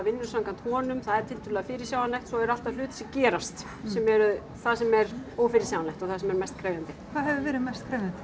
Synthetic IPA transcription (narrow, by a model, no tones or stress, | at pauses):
vɪnːʏ̥saŋkant̪hɔːnʏmθaðɛɾ̥t̪ʰɪlt̪ʰʏːlɛɣafɪːɾɪ̥sjaːwanlajxt̪sɔɛɾal̥t̪aðlʏːt̪ɪ̥sɛcɛːɾast̪ | sɛmɛɾʏ | θaðsɛmɛɾoːwfɪɾɪ̥sawanlajht̪ɔɣθaðsɛmɛɾmɛst̪̚kʰɾeːɥjant̪ɪkʰvaːðɦɛvɪvɛːɾɪðmɛst̪̚kʰɾeːɥjant̪ɪ̥